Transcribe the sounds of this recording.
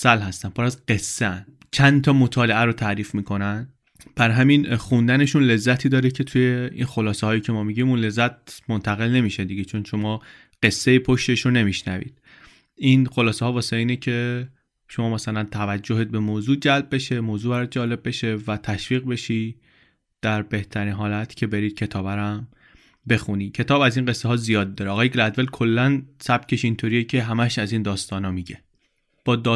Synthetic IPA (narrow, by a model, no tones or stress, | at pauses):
sælɦæst̪æmpʰoɾæzɢe̞sːeæn | t͡ʃʰænt̪ʰɒmo̞t̪ʰɒːle̞ʔæɾot̪ʰæɾiːfmiːkʰo̞næn | b̥æɾɦæminxund̪æne̞ʃunle̞zːæt̪ʰiːd̪ɒːɾecʰe̞t̪ʰuje̞ḭnxolɒːsehɒːjiːcʰe̞mɒːmiɟimuːnle̞zːæt̪̚mont̪ʰæɣe̞lne̞miːʃe̞d̪iɡet͡ʃʰo̞nʃo̞mɒː | ɢ̥e̞sːejipʰoʃt̪e̞ʃɾone̞miʃnæ̰vḭːd̪̥̚ | ʔinxolɒːsehɒːvɒːseiːnecʰe̞ | ʃomɒːmæsælænt̪ʰævæd͡ʒːoɦid̪̚be̞moːzuːd͡ʒælb̚be̞ʃe̞moːzuːbæɾɒːt̪̚d͡ʒɒːle̞b̚ːe̞ʃe̞væt̪ʰæʃviːɣbe̞ʃiː | d̪̥æɾbe̞ht̪ʰæɾiːnɦɒːlæt̪ʰcʲʰe̞be̞ɾiːd̪̥̚cʰe̞t̪ʰɒːbæɾæm | be̞xuniːcʰe̞t̪ʰɒːbæziːnɢe̞sːeɦɒːzijɒːd̪̚ːɒːɾeɒːɣɒːjeɡlæd̪velkʰo̞lːænsæb̥cʰe̞ʃint̪ʰoɾijecʰe̞ɦæmæʃæziːnd̪ɒːst̪ɒːnɒːmiɟe̞ | b̥ɒːd̪ː